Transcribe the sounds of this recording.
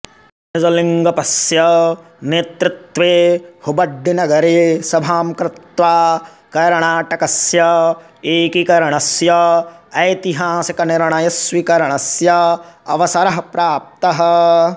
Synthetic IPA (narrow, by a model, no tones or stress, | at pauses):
nɪd͡ʒɐliŋɡɐpɐsjɐ | neːt̪ɾɪt̪ʋeːhubɐɖːinɐɡɐɾeːsɐbʱaːmkɾɪt̪ʋaː | kɐɾɳaːʈɐkɐsjɐ | eːkikɐɾɐɳɐsjɐɐjt̪iɦaːsɐkɐnɪɾɳɐjɐsʋikɐɾɐɳɐsjɐɐ̰ʋɐsɐɾɐɦɐpɾaːp̚t̪ɐɦɐ̆